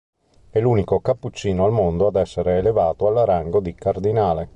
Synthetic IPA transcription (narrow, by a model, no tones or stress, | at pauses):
ɛluːnikokapːut͡ʃːiːnoalmond̪oad̪ɛsːeɾeːlevaːt̪oalaɾaŋɡod̪ikard̪inaːle